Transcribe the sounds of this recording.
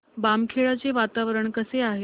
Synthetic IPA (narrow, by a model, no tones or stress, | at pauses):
bamkʰeɭat͡seʋat̪aʋəɾəɳkəseaɦe